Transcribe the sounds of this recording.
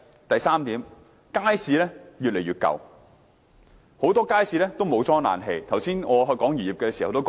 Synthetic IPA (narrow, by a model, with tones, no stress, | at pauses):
t̪ɐ˨jsaː˥mt̪iː˨˥m | kaː˥jsiː˨˧lɛː˥jyː˨t̚le˨˩jɥyː˨t̚kɐ̰˨˧w | ho˨˥wt̪ɔː˥kaː˥jsiː˨˧lɛː˥t̪o˥wmo˨˧wt͡sɔː˥ŋna̰ː˨˧nɦe˧jt̪ʰɐ˨˩wsiː˥nŋɔː˨˧ɦɵ˧jkɔː˨˥ŋjyː˨˩jiː˨˩pkɛː˧si˨hɐ˨wt̪o˥w